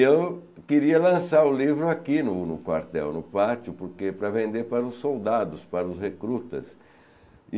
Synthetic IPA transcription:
ew | keɾiɐlɐ̃saɾʊlivɾʊakinʊnʊkwa̰ɾt̪ɛ̰wnʊpat͡ʃʊpʊɾkepɾɐvẽnd̪eɾpaɾɐʊsːowd̪ad̪ʊspaɾɐʊshekɾut̪ɐ̰s

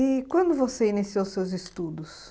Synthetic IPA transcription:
ɪkwɐ̃nd̪ʊvoseinisiowsewzɪst̪ud̪ʊs

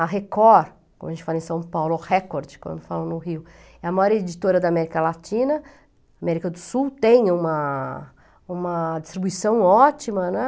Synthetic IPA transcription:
ɐɦekɔɾ | kõ̰mɐʒẽt͡ʃɪfalɐẽsɐ̃w̃pawlʊhɛkoɾd͡ʒɪ̥kwɐ̰̃nd̪ʊfalʊnʊɦiw | ɛɐmajɔɾed͡ʒit̪oɾɐd̪amɛɾikɐlat͡ʃĩnɐ | amɛɾikɐd̪ʊsuwt̪ẽj̃ũmɐ | ũmɐd͡ʒist̪ɾibuisɐ̃w̃ɔt͡ʃimɐnɛ

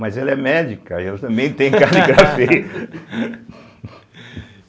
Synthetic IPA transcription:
mɐjzɛlɐɛmɛd͡ʒikɐɛlɐt̪ɐ̃mbẽj̃t̪ẽj̃kaliɡɾafe

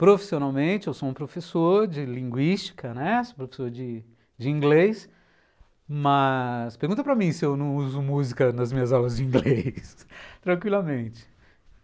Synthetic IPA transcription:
pɾofi̥sionawmẽt͡ʃɪewsoũpɾofesoɾd͡ʒɪlĩŋɡwist͡ʃi̥kɐnɛsopɾofe̥soɾd͡ʒɪ | d͡ʒɪĩŋɡles | mɐspeɾɡũt̪ɐpɾɐmĩsɪewnɐ̃w̃uzʊmuzikɐnɐzmĩɲɐzawlɐzd͡ʒɪĩŋɡlest̪ɾɐ̃kwilɐmẽt͡ʃɪ̥

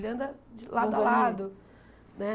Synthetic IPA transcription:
lɐ̃d̪ɐd͡ʒɪlad̪ʊalad̪ʊ | nɛ

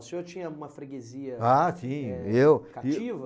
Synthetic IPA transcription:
sẽoɾt͡ʃĩɲɐũmɐfɾeɡeziɐasĩewkait͡ʃivɐ

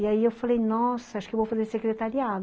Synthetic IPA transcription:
iaiewfalejnɔsɐaʃu̥kewvowfɐzeɾsekɾet̪aɾiad̪

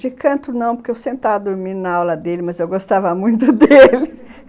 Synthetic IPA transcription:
d͡ʒɪkɐ̃nt̪ʊnɐ̃w̃poɾkeewsẽmpɾɪt̪avɐd̪oɾmĩnɐawlɐd̪elɪmɐzewɡost̪avɐmũj̃t̪ʊd̪elɪ

